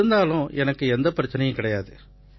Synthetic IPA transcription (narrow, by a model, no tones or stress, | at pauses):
ɯnd̪aːlʊ̃ʔɛnɐkːɯɛnd̪ɐpɐɾɐt͡ʃːɪnɐjɐ̃kɪɽɐjaːðɯ